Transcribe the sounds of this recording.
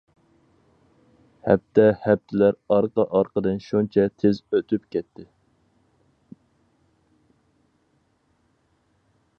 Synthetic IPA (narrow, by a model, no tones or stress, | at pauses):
hɛ̰p̚t̪ʰɛhɛp̚t̪ʰɪlæɾɑɾqɑʔɑɾqəd̪ɨnʃunt͡ʃʰɛt̪ʰezøt̪ʰypkʲɛt̪ʰːɪ